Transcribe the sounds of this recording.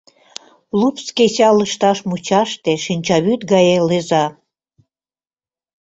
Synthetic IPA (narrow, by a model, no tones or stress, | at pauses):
lupskesɑləʃt̪ɑʃmut͡ɕɑʃt̪eʃinʲt͡ɕɑβyt̪ɡɑjelezɑ